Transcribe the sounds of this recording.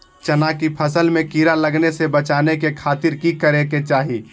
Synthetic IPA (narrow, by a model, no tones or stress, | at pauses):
t͡ʃɐnakipʰəsəlmẽkiːɾaləɡnesebət͡ʃaːnekekʰaːt̪ɪɾkikəɾeket͡ʃaːɦi